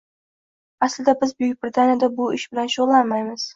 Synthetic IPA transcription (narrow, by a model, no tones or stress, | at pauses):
aslɪd̪abɪzbʊjʊk̚ʲbɪɾɪt̪ʰanjad̪abʊɪʃbɪlanʃoʁlˠːanmajmɪz̥